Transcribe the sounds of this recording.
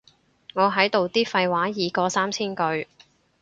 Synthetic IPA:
ŋɔː˨˧ɦɐ˨˥jt̪o˨wt̪iː˥fɐ˧jwaː˨˥jiː˨˧kɔː˧saː˥mt͡sʰiː˥nkɵ˧ɥ

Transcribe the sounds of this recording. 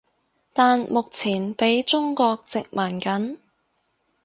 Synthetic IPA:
t̪aː˨nmʊ˨k̚t͡sʰiː˨˩npe˨˥jt͡ʃʊ˥ŋkɔː˧k̚t͡sɪ˨k̚maː˨˩nkɐ˨˥n

